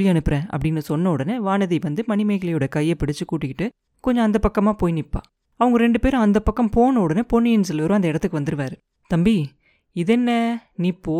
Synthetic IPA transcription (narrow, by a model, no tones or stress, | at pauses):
ɪjɛnɯpːɯɾẽːʔɐ̰pːɐɽɪnːɯsɔnːɐɔɽɐnɯʋaːnɐðiʋɐnd̪ɯmɐnɪmɐɪɣɐɭɐjɯɽɐkɐjːɐpɪɽɪt͡ʃːɯkuːʈːɪkːɪʈːɯ | kɔɲd͡ʒɔ̃ɐnd̪ɐpɐkːɐmaːpoːjnɪpːa̰ː | ɐʋɐŋɡɐɾɛɳɖɯpeːɾ̃ɐnd̪ɐpːɐkːɐmpoːnɐɔɽɐnɯpoːnːɪjɪnːs̬ɐlːʋɐɾõɐnd̪ɐɪɽɐt̪ːɯkːɯʋɐnd̪ɯɾɯʋaːɾɯ | t̪ɐmbi | ɪðɛnːɐniːpːoː